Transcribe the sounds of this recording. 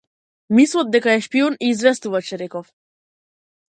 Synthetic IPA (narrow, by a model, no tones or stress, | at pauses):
mislˠɔd̪̚d̪ɛkaɛʃpiɔniːzvɛst̪uvat͡ʃɛɾɛkɔf